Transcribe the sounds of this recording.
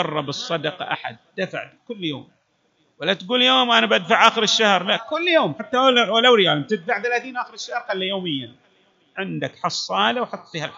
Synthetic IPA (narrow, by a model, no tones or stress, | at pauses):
ɑrˤːɑbɨsˤːɑd̪ɑqɑ̰ʔa̰ħa̰d̪̚d̪afa̰ʕd̪kʊlːjo̰ːm | walːat̪ɡuːljoːmʔanabʔad̪faʕʔaːxɪɾɪʃːahɾlaʔkʊlːjoːmħat̪ːawalawɾɪjaːlmt̪ɪd̪faʕθalaːθiːnʔaːxɪɾɪʃːahɾˤxalːajoːmɪjːa | ʕɪnd̪akħɑsˤːɑːlawħɑt̪ˤːfiːhal